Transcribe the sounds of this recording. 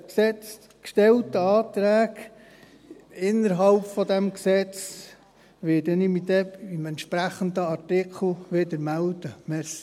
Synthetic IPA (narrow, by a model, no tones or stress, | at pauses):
ksɛt͡s | kʃtɛltəɑːt̪ɾæːɡ | ɪnːəɾɦɑlpfɔd̪ɛmksɛt͡s | ʋɪdənimid̪ɛimɛnt̪ʃpɾæχənd̪əɑɾtɪkʰl̩ʋɪdəmæld̪̥əmɛs